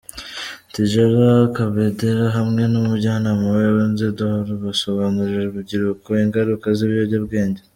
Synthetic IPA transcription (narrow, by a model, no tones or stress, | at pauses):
tiʒaɾakaβedeɾaɦamŋe̞numuɾɟanamuββanzedahaɾuβaso̞βaːnuɾiʒeβubɟiɾukoiŋɡaɾukaziβjoɟabɡe̞ːɲɟe